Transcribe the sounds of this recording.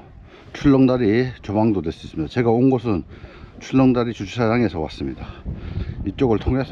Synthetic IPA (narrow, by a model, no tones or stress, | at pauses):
t͡ɕʰuɭːʌŋdaɾit͡ɕobaŋdodwe̞s͈uis͈ɯmɲid̥at͡ɕe̞ɡaonɡʌsʰɯnt͡ɕʰuɭːʌŋdaɾit͡ɕut͡ɕʰusʰad͡ʑaŋe̞sʰʌwa̰s͈ɯmɲida | it͡ɕ͈oɡɯɭtʰoŋe̞sʰ